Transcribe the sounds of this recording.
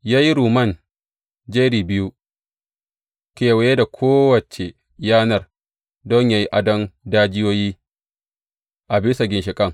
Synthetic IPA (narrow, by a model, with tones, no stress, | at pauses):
jaː˦ji˦ɾuː˨mɐ˦˨n | d͡ʒe˦ɾiː˨bɪ˦ju˦ | kʲeː˨we˨je˦da˨kʷʰoː˦wɐ˨t͡ʃe˨ | jaː˦nɐ˦˨r | dɔ˦ɲjaː˦ji˦ʔa˦dɔ˦ndaː˦d͡ʒɪ˦joː˦jiː˦ | ʔa˨bɪ˦sɐ˨ɡʲɪ˨nʃɪ˨kʼɐ˦˨ŋ